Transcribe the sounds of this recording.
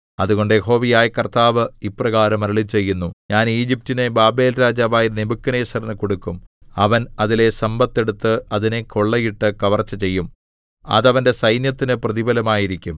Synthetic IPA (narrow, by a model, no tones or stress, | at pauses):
ɐðuɣo̞ɳɖɨjeɦo̞ːʋijaːjikɐrt̪aːʋɨiprɐɣaːɾɐmɐɾɭit͡ɕːe̞jːunːuɲaːniːd͡ʑip̚tinebaːbe̞ːlɾaːd͡ʑaːʋaːjinebukːɐneːsɐrnɨkoɽukːumɐʋɐnɐðile̞sɐmbɐt̪ːe̞ɽut̪ːɨɐðinekʰo̞ɭːɐjiʈːɨkɐʋɐrt͡ɕːɐt͡ɕe̞jːum | ɐ̰ðɐʋɐnde̞sɐjnjɐt̪ːinɨprɐðibɐlɐmaːjiɾikʲːum